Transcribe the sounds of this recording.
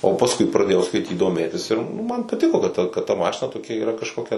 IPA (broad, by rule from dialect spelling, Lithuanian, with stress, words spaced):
oː pɐsˈkʊɪ prɐˈdʲeːjɛʊ skɐɪˈtʲiːt doːˈmʲeːtʲɪs ɪr ˈnʊ ˈmɐn pɐˈtʲɪkoː kɐt ˈtɐ kɐt tɐ ˈmɑːʃʲɪnɐ toːˈkʲɛ iːˈrɐ kɐʃˈkoːkʲɛ